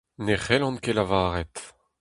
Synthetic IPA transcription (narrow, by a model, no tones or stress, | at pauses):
neχɛlɑ̃nkelavaːʁɛt̪